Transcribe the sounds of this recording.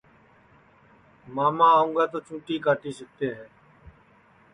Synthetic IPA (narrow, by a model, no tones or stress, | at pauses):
maːmãːũŋɡaːt̪oːt͡ʃũːʈiːkaːʈiːsək̚t̪eːɦɛː